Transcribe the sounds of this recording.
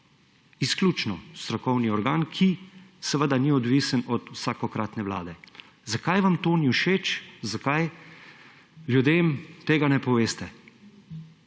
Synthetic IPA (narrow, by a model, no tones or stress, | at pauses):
isklʲuːt͡ʃnɔst̪ɾɔkɔwniɔɾɡaːnkʰisəʋəd̪aniɔd̪ʋiːsənɔt̪wsaːkɔkɾaːt̪nɛʋla̰ːd̪ɛ | zakajʋamt̪oːniwʃeːt͡ʃzakaj | ljud̪eːmt̪eːɡanɛpɔʋeːst̪ɛ